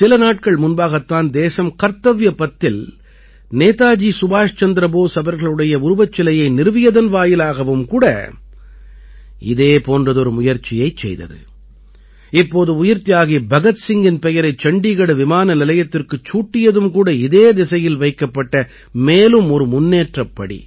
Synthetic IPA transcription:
sɪlɐnaːʈ̚kɐɭmʊnbaːɣɐt̪ːaːnd̪eːsɐmkɐɾt̪ːɐʋjɐpːɐt̪ːɪl | neːt̪aːd͡ʒiːsʊbaːʂt͡ʃɐnd̪ɾɐboːsɐbɐɾɣɐɭɯɽɐjɐʊɾʊbɐt͡ʃːɐlɐjɐɪnɪɾɯʋɪjɐðɐnʋaːjɪlaːɣɐʋɯmkuːɽɐ̰ | ɪ̰ðeːpoːndrɐðɔɾɯmʊjɐɾt͡ʃɪjɐɪt͡ʃɛ̰jðɐ̰ðɯ̰ | ɪpːoːðɯʊjɪɾt̪ɪjaːɣibɐɣɐt̪sɪŋɡɪnpɛjɐɾɐɪt͡ʃːɐɳɖiɣɐɽɐʋɪmaːnɐnɪlɐjɐt̪ːɪrkɯt͡ʃːuːʈːɪjɐðɯmkuːɽɐɪðeːd̪ɪsɐjɪlʋɐɪkːɐpːɐʈːɐ | meːlɯmɔɾɯmʊnːeːʈrɐpːɐɽḭ

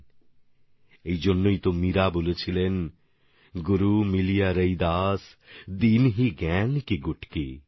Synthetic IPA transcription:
ejd͡ʑonːojt̪omiɾabolet͡ɕʰilen | ɡuɾumilijaɾəjd̪asd̪inɦiɡɛnkiɡuʈki

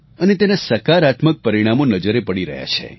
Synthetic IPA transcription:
ənet̪enasəkaɾat̪mək̚pəɾiɽ̃amonəd͡ʒəɾepəɽ̃iɾə̰ɦja̰t͡ʃʰḛ

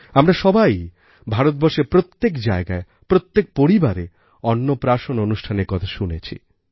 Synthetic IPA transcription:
amɾaʃɔbaj | bʱaɾot̪̚bɔɾʃeɾpɾot̪ːekd͡ʑaeɡae | pɾot̪ːek̚poɾibaɾe | ɔnːopɾaʃononuʃʈʰaneɾkɔt̪ʰaʃunet͡ɕʰḭ

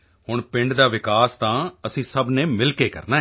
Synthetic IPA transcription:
hʊɳpɪ̃ɳɖd̪aːʋɪkaːst̪ãːəsĩːsəbnẽːmɪlkeːkə̰ɾnaːɦ

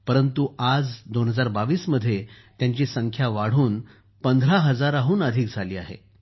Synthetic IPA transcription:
pəɾənt̪uad͡zd̪onɦəd͡zaɾbaʋiːsməd̪ʱːjet̪jãɲt͡ɕiːsəŋkʰjaʋaɽ̤uːn | pənd̪ʱɾaɦəd͡zaɾaɦuːnəd̪ʱiːk̚d͡zʱaliːaɦḛ

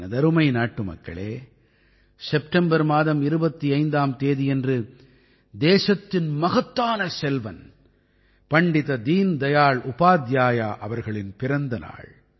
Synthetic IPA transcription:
nɐd̪ɐɾɯmɐɪnaːʈːɯmɐ̰kːɐ̰ɭḛː | sɛp̚ʈɐmbɐɾmaːðɐmɪɾɯbɐt̪ːiɐɪnd̪aːmt̪eːðijɛndrɯ | d̪eːʂɐt̪ːɪnmɐɣɐt̪ːaːnɐsɛlʋɐ̰n | pɐɳɖɪðɐd̪iːnd̪ɐjaːɭʊpaːd̪jaːjaːʔɐʋɐɾɣɐɭɪnpɪɾɐnd̪ɐna̰ːɭ

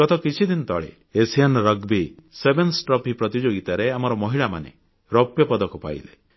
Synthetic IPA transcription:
ɔt̪ɔkit͡ʃʰid̪inɔt̪ɔ̰ɭḛː | sianɾɔɡbisebensʈɾɔpɦipɾɔt̪id͡ʒoɡit̪aɾeamɔɾɔmɔɦiɭama̰nḛ | ɾɔpjɔpɔd̪ɔkɔpa̰j̰le

